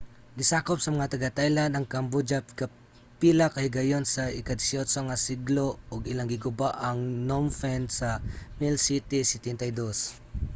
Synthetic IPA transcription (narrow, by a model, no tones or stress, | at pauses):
ɡɪsaːkop̚sɐmɐŋat̪ɐɡat̪ajland̪ɐŋkɐmbod͡ʒaka | pilakɐhɪɡɐjonsɐɪkad̪sjosoŋasiɡloʊɡɪlaŋɡɪɡʊbaʔɐŋnomfɛnd̪sɐmilsit̪isɪt̪ɛnt̪ɐjd̪os